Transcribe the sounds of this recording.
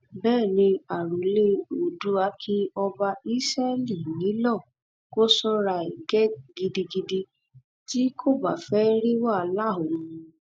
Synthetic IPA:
bɛː˦˨nĩ˧a˨ɾu˨le˦o˨du˨˦a˦kʰi˦ɔ˧ba˧i˦sɛ˦li˦˨nĩ˨˦lɔ̃˦˨ | ko˦sɔ˦ɾa˧i˨ɡɛ˦ɡi˧di˧ɡi˧di˧ | ti˦kʰo˦˨ba˨fɛ˦ɾi˦wa˦˨˧la˦˨o˨ũ˨

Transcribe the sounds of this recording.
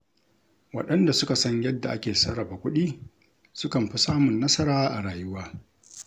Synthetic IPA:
wɐ̰˨ɗɐ˦nda˨sʊ˦ka˨sɐ˦ɲjɐ˦dːa̰˨ʔa˦kʲeː˨sɐ˦ɽɐ˨ba˨kʷʊ˦ɗiː˦ | sʊ˦kɐ˨mɸi˦saː˦mʊ˨nːɐ˦sɐ˦ɾaː˦ʔa̰˨ɽaː˨jʊ˦waː˦

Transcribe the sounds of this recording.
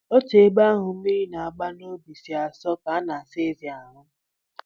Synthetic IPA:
o˦te˨˦ba˦ɦʊ˨˦i˦i˦na˨a˨ɡ͡ba˦no˦bi˨si˨a˨sɔ˦ka˨a˦na˨a˨se˦zi˨a˨ɾʊ˦

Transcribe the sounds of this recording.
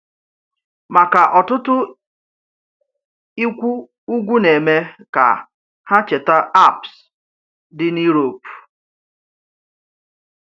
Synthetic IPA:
ma˨ka˨ʔɔ˨tʊ˦tʊ˦ | i˦kʷu˦ | u˦ɡʷu˦ne˨me˦ka̰˨ | ha˦t͡ʃe˨ta˦a˦˨ps | dɪ˦ni˦ɾo˨p

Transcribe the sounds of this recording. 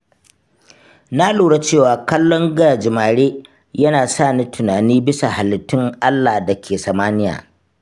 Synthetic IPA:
na˦luː˨ɽa˦t͡ʃeː˦˨waː˨kɐ˦lːɔ˦ŋɡa˨d͡ʒɪ˨maː˨ɽeː˦ | jɐ˦naː˨saː˦˨ni˦tʰʊ˨naː˨niː˦bɪ˦sa˨ha˨lɪ˨tːɪ˦ŋʔa˦lːaː˨dɐ˨kʲʰeː˨sɐ˨maː˦nɪ˦ja̰ː˨

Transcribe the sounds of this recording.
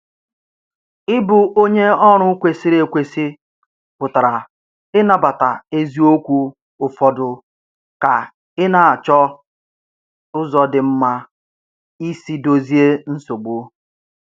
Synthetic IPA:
ɪ˦bʊ˨ʔo˦ɲe˦ɔ˦ɾ̃ʊ˦kʷe˨si˦ɾe˨kʷe˨si˦ | pʊ˨ta˨ɾa˨ | ɪ˦na˨ba˨ta˨e˦zi˦o˦kʷu˦ | ʊ˨fɔ˨dʊ˨ | ka˨ | ɪ˦na˨a˨t͡ʃɔ˦ | ʊ˦zɔ˨dɪ˨m̩˦ma˦ | i˦si˦do˦zi˦e˦n̩˦so˨ɡ͡bo˦

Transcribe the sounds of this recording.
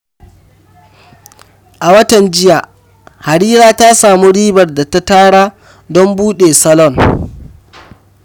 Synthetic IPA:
ʔa˨wɐ˦tɐ˨nd͡ʒɪ˦ja˨ | ha˨ɽiː˦ɾaː˦ta˦saː˨mu˦ɽiː˦bɐ˨rda˨ta˦taː˦ɽaː˦ | dɔ˦mbuː˦ɗeː˨sɐ˦lɔ˦˨n

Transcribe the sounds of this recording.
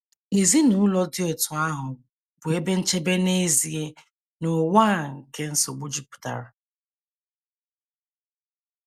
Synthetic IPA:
e˨zi˦nu˦lɔ˦dɪ˦o˨tʊ˨a˦ɦʊ˨ | b̥ʊ˨e˦be˦n̩˦t͡ʃe˦be˦ne˦zi˨e˦ | nʊ˨wa˦˨ŋ̩˨ke˦n̩˦so˨ɡ͡bu˦d͡ʒi˦pu̥˨ta̰˨ɾa˨

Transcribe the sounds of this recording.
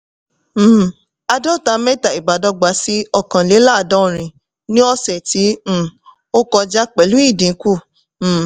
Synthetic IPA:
a˧dɔ˦˨ta˨˧mɛ̃˦ta˨i˨ba˨˦dɔ˧˦ɡ͡ba˨˦si˦ɔ˧kã˨le˨˦la˦˨dɔ̃˦˨ɾ̃ĩ˧ | nĩ˦ɔ˦sɛ˨tĩ˨˦˨ | o˦kɔ˧d͡ʒa˦k͡pɛ˨lu˨˦i˦˨dĩ˨˦ku˦˨˦

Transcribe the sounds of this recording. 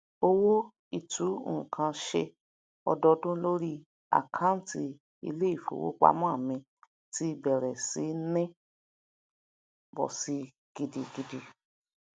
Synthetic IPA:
o˧wo˦ | i˨tũ˨˦˨kʰã˧ʃe˧ | ɔ̰˧dɔ˧dõ˦lo˦ɾi˦ | a̰˨kʰã˨˦tʰi˧ | ḭ˧le˦i˦˨fo̰˨wo̰˦k͡pa̰˧˦mɔ̃˦a˦˨mĩ˧ | ti˦˧bɛ˨ɾɛ˨si˨˦nɛ̃˦ | bɔ̰˨si˧ | ɡ̥i˧di˧ɡi˧di˧

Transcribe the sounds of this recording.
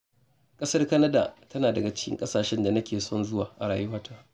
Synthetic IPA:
kʼɐ˦sɐ˦rkɐ˦nɐ˦da̰ː˨tɐ˦naː˨dɐ˨ɡa˨t͡ʃɪ̥˦kʲɪ̰˦ŋkʼɐ˦saː˨ʃɛ˦nda˨nɐ˦kʲeː˨sɔ˦nzʊ˦wa̰ː˨ʔa˨ɽaː˨ju˦waː˦tʰaː˦

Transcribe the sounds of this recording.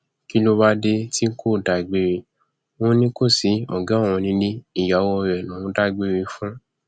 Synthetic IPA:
ki˦lo˦ba˦de˦ti˦ŋ̩˦ko˦˨da˨i˨ɡ͡be˨ɾe˧ | wɔ̃˦nĩ˦ko˦˨si˨˦ɔ̰˨ɡã˦˨w̃ɔ̃˧nĩ˧˦lĩ˦i˦˨ja˨˦wɔ˧ɾɛ˨nũ˨˦da˦i˨ɡ͡be˦˨ɾe˧fũ˦

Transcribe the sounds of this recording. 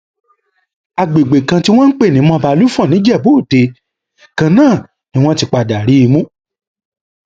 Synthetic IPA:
a˨ɡ͡be˨ɡ͡be˨kã˧ti˦w̃ɔ̃˦n̩˦k͡pe˦˨nĩ˨˦mɔ̃˧˦˧ba˧lu˦fu˦ɔ̃˦˨nĩ˨˦d͡ʒɛ˦˨bo˦˨te˧ | kã˧nãː˦˨ | nĩ˦w̃ɔ̃˦ti˧k͡pa˨da˨ɾi˨˦i˧mũ˦

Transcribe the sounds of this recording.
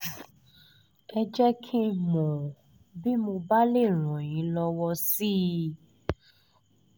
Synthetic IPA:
ɛ˧d͡ʒɛ˦kʰi˦mɔ̃˨ | bi˦mõ˧ba˦le˦˨ɾ̃ɔ̃˨j̃ĩ˨˦lɔ˧wɔ˧si˦

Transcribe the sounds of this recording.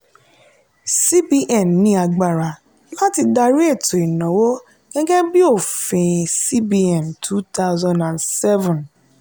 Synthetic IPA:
si˦bi˦ʔɛ˨mːĩ˧˦a˧ɡ͡ba˨ɾa˨˦ | la˦ti˧da˧ɾi˦e˦˨to˨i˨nɔ̃˨˦wo˦ | ɡ̥ɛ˦ɡɛ˦bi˦o˦˨fĩ˨si˦bi˧ɛ˨mtʰu˦ta˦ʊzã˨ndã˨nsɛ˦vũ˨n

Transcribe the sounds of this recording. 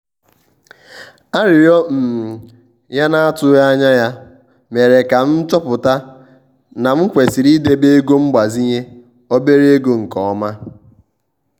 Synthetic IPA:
a˦ɾɪ˨ɾjɔ˦m̩˨ | ja˦na˦a˦tʊ˦ja˦ɲa˦ja˦ | me˨ɾe˨ka˨n̩˦t͡ʃɔ˦pʊ˨ta˦ | na˨m̩˦kʷe˨si˨ɾi˦de˦be˦e˦ɡo˦m̩˦ɡ͡ba˨zi˦ɲe˦ | o˦be˦ɾi˦e˦ɡo˦ŋ̩˨kɔ˨ɔ˦ma˦

